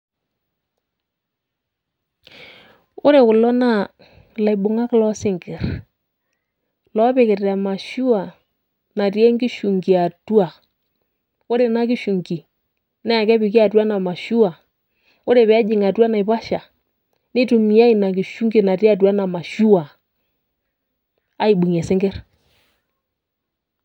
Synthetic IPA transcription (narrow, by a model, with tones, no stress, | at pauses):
o˦ɾe˨kʊ˨lɔ˦na˦˨ | la˨jbʊ˨ŋa˦klɔ˦sɪ˦ŋɡɪ˨ɾ | lɔ˦pe˨kɪ˨ta˨ma˨ʃu˦a˨ | na˨te˦ŋɡi˦ʃu˨ŋɡi˨a˨tu˦a˨ | o˦ɾe˨na˦ki˦ʃu˨ŋɡi˨ | na˦a˨kɛ˦pɪ˨ki˦a˨twa˦na˨ma˨ʃu˦a˨ | wo˦ɾe˨pɛ˨˦d͡ʒɪ˨ŋa˨twa˦na˨i˨pa˦ʃa˨ | nɪ˦tu˨mi˨˦a˦i˨na˨ki˨ʃu˦ŋɡi˨na˨ti˦a˨twa˦na˨ma˨ʃu˦a˨ | a˦i˨ɓu˨ŋɛ˨sɪ˦ŋɡɪ˦r